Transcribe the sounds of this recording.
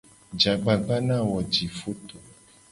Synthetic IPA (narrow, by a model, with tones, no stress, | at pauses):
d͡ʒa˨ɡ͡ba˨ɡ͡ba˦nã˦˨wɔ˨d͡ʒi˨fo˦t̪o˨